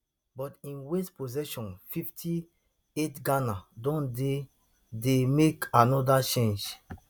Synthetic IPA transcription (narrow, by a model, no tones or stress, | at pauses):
bɔtĩnwespozɛʃɔ̃nfiftʰi | etɡanadɔ̃nde | demekanɔdat͡ʃẽnd͡ʒ